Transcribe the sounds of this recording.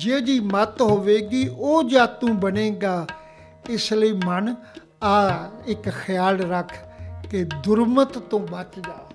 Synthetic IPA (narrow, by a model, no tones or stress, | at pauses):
d͡ʒeːd͡ʒiːmət̪ɦoːʋeːɡiːʔoːd͡ʒaːt̪ũːbəneːɡaː | ɪsləiːmən | aːɪkxʰəjaːlɾəkʰkeːd̪ʊɾmət̪tːõːbət͡ʃd͡ʒaː